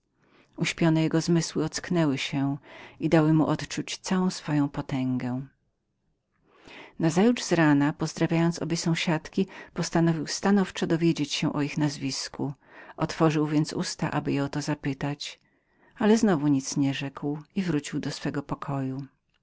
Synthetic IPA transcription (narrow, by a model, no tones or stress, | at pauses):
uɕpʲjɔnɛjɛɡɔzmɘswɘɔt̪sknɛwɘɕɛid̪awɘmuʔɔt̪t͡ʂut͡ɕt̪sawɔ̃w̃sfɔjɔ̃w̃pɔt̪ɛŋɡɛ | nazajuʐzɾanapɔzd̪ɾavʲjajɔnt̪sɔ̰bʲjesɔ̃w̃ɕat̪kʲipɔst̪anɔvʲiwst̪anɔft͡ʂɛd̪ɔvʲjed͡ʑet͡ɕɕɛ̃ʔɔixnazvʲiskʰu | ɔt̪fɔʐɘwvʲjɛnt̪sṵst̪a̰ʔa̰bɘjɛɔt̪ɔzapɘt̪at͡ɕ | alɛznɔvuɲit̪sɲɛʐɛkwivɾut͡ɕiwd̪ɔsfɛɡɔpɔkʰɔju